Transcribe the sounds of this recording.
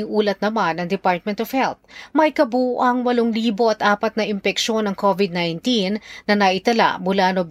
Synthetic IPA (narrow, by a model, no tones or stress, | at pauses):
ɪŋʔuːlɐt̪̚nɐmanɐŋd̪ɪpaɹt̪̚mɛnt̪ov̥hɛlt̪̚mɐjkɐbuːʔɐŋwɐloŋliːbo̞ʔɐt̪ʔaːpɐt̪̚nɐʔɪmpɛkʃo̞nɐŋkʰovɪd̪̚najnt̪inːɐnɐʔɪt̪ɐla̰bʊlaːnob